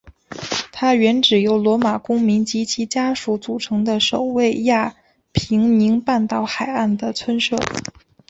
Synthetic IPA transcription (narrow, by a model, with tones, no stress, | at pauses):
t̪ʰa˥ɥɛ˧˥nʈ͡ʂɻ̩˨˩jo˧˥ʊlwɔ˧˥ma˨˩kʊ˥ŋmi˧˥ŋt͡ɕi˧˥t͡ɕʰi˧˥t͡ɕja˥ʂu˧˥t͡su˨˩ʈ͡ʂʰɤ˧˥ŋd̪ə˧ʂo˨˩ʊwe˥˧ɪja˥˩ | pʰi˧˥ŋni˧˥ŋpa˥˧nt̪ɑ˥˩ʊxa˨˩ɪa˥˩nd̪ə˩t͡sʰwə˥nʂɤ̰˥˩